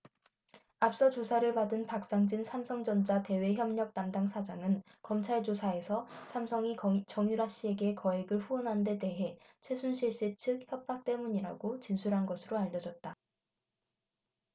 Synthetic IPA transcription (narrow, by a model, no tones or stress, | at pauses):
ap̚s͈ʌt͡ɕosʰaɾɯɭpadɯnpak̚s͈aŋd͡ʑinsʰamsʰʌŋd͡ʑʌnd͡ʑate̞we̞çjʌmɲʌk̚t͈amdaŋsʰad͡ʑaŋɯn | kʌmt͡ɕʰaɭd͡ʑosʰae̞sʰʌsʰamsʰʌŋit͡ɕʌŋjuɾaɕ͈ie̞ɡe̞kʌe̞ɡɯɭɸuʌnɦande̞de̞ɦe̞ | t͡ɕʰwe̞sʰunɕʰiɭɕ͈it͡ɕʰɯk̚çjʌp̚p͈ak̚t͈e̞muɲiɾa̰ɡot͡ɕinsʰuɾɦanɡʌsʰɯɾoaʎːʌd͡ʑʌt̚t͈a